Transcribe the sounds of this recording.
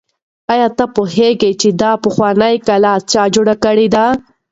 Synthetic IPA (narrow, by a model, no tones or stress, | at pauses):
ɑjɑt̪apoheɡet͡ʃed̪ɑpəxwɑnəjkalat͡ʃɑd͡ʒoɽakəɽed̪a